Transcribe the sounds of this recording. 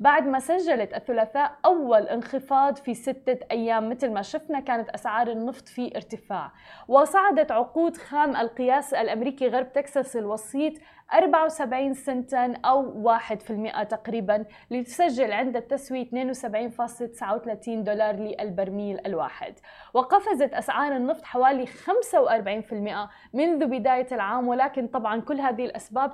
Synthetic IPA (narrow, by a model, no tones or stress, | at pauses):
baʕd̪masaʒːalat̪aθːʊlaːθaːʔʔʔawːalʔɪnxɨfɑːd̪ˤfisɪt̪ːaʔajːaːmːɪt̪lmaʃʊfnakaːnat̪ʔasʕɑːɾˤɪnːɨft̪ˤfiʔɪɾt̪ɪfaːʕ | wɪsˤɑʕɑd̪ɑt̪ʕʊquːd̪xaːmʔalqɨjaːsalʔamɾiːkiɣɑɾˤb̚t̪eksɑsɪlwɑsˤiːt̪ˤ | ʔɑɾˤbaʕawsabʕiːnsɪnt̪ʔawːaːħɪd̪fɪlmɪʔat̪aqɾiːban | lɪt̪saʒːɪlʕɪnd̪at̪ːaswit̪neːnwsabʕiːnfɑːsˤlt̪ɪ̥sʕawt̪alaːt̪iːnd̪oːlɑːɾˤlɪʔalbaɾˤmiːlʔalwa̰ːħɪ̰d̪ | wɪqɑfazat̪ʔasʕɑːɾˤɪnːɨft̪ˤħawaːlixamsawʔɑɾˤbaʕiːnfɪlmɪʔa | mɪnðubɪd̪aːjalʕaːmwɪlaːkɪnt̪ˤɑbʕɑnkʊlːɦaːðɪhɪlʔasbaːb